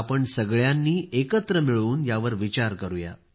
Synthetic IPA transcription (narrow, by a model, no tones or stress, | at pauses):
pəɳsəɡɭjanːiːekət̪ɾəmiɭuːnjaʋəɾʋit͡ɕaɾkəɾuja̰